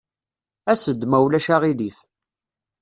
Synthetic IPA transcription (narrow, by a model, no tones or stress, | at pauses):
æsəd̪mæwlæʃaʁiliθ